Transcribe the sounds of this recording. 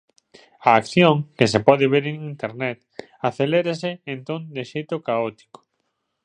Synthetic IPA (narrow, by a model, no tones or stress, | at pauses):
aːkθjoŋkesepɔðeβeɾeŋint̪eɾnɛt̪ | aθeleɾesɪent̪ond̪eʃejt̪ʊkaɔt̪i̥ko̥